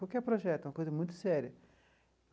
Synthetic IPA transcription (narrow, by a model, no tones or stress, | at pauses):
awkɪɛɾpɾoʒɛt̪ʊɛ̃ɐkojzɐmũj̃t̪ʊ̥sɛɾʲjɐ